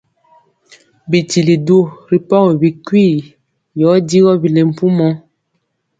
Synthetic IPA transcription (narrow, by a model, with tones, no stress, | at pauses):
bi˨ti˨li˨do˦˨ɾi˨pɔ˦ɣbi˨kwi˦˨ | jɔ˨˦di˦ɣɔ˦bi˨le˨m̩˨pu˦mɔ˦